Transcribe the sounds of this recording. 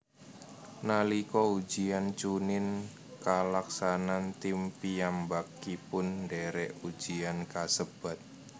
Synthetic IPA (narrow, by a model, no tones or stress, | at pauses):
nalikɔu̥d͡ʒ̥iant͡ʃunɪn | kalaksanant̪ɪmpiambakːipʊndɛɾɛʔud̥d͡ʒ̥iankasəb̥a̤t̪̚